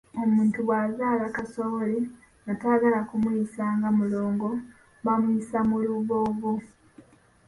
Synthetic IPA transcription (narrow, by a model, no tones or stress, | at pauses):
o̞muːntuβwazaːlakasoβole | nataɡalakumwiisaːŋɡamulo̞ːŋɡo̞ | βamuisamuluβovu